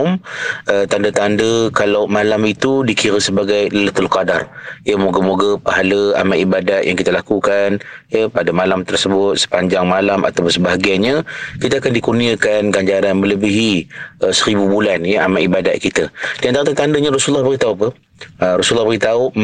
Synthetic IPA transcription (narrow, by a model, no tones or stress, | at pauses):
mʔət̪andət̪andəkalawmalamit̪udikiɾəsəbaɡajlələt̪əlqada̰rjəmoɡəmoɡəpaɦaləa̰maʔibadat̪̚jaŋkit̪əlakukanjəpadamalamt̪ərsəbʊt̪̚sə̥paɲd͡ʒaŋmalama̰t̪awpʊnsəbaɦaɡajɲə̃kit̪aakandikurniakanɡaɲd͡ʒaɾanmə̃ləbiɦiʔəsəɾibubulanjəamaʔibadat̪̚kit̪ədiant̪aɾatat̪andəɲəɾɔsulːɔhbəɡit̪aupə | əɾɔsulːɑhbəɡit̪au